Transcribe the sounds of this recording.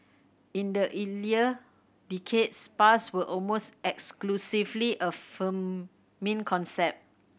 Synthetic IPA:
ĩndəʔiliə | dikʰedspaswəʔɔlmostɛksklusivliʔəfə̃m | mĩnkʰɔ̃nsɛp̚t̚

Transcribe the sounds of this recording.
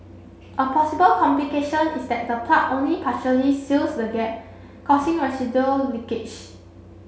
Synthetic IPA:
ʔəpʰɔsibəlkʰɔ̃mplikeʃɔ̃nisdɛt̚dəpʰatõnlipʰaʃəlisilsdəɡɛp̚ | kʰɔsĩŋɹɛsidəlĩkɪt͡ʃ

